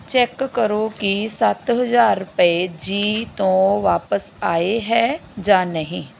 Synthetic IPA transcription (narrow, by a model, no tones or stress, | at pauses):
t͡ʃɛːkːəɾokisət̪ɦəzaːɾʊpəed͡ʒiːt̪õːʋaːpəs | aːeɦɛːd͡ʒaːnəɦĩː